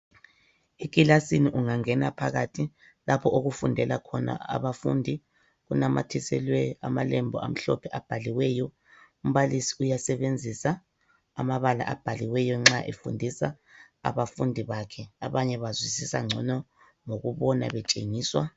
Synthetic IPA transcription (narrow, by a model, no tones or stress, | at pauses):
ekʼilasiniʔuŋaŋɛnapʰaɣatʰi | lapʰɔoɣufundʱɛlakʰɔna̰a̰βafṵndʱi | ɣunama̰tʰisɛlwɛa̰malɛmbʱɔa̰m̩ɬɔ̰pʰɛʔab̥ʱaliwɛjɔ | um̩βalisi̥ujasɛβend͡zʱisa | a̰maβala̰ʔab̥ʱaliwɛjɔŋ͡ǁaʔefundʱisa | a̰βafundʱiβakʰɛaβaɲɛβazwisisa̰ŋ͡ǀʱɔnɔ | ŋoɣuβɔna̰βɛt͡ʃʼeŋiːswa